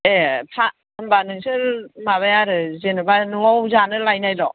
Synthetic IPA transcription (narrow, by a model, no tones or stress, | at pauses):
epʰa | ɯmbanɯŋsɯɾmaβajaɾɯzenɯbanɯŋɔwzanɯlajnajɾɔ